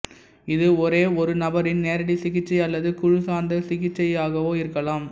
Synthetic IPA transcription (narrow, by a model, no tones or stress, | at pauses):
ɪðɯɔɾeːɔɾɯnɐbɐɾɪnneːɾɐɽisɪɣɪt͡ʃːɐɪɐlːɐðɯkʊɻɯsaːnd̪ɐsɪɣɪt͡ʃːɐɪjaːɣɐʋoːɪɾɯkːɐlaːm